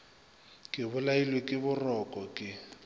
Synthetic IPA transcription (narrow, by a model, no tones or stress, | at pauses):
kʼɪβʊlailwekʼɪbʊrɔkʼɔkʼɪ